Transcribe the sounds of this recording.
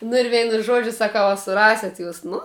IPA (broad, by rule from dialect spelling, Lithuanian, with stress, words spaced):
nʊ ɪr ˈʋʲɛɪnʊ ˈʒuɔd͡ʒʲʊ sɐˈkɐʊ ɐ sʊˈrɑːsʲɛt juːs ˈnʊ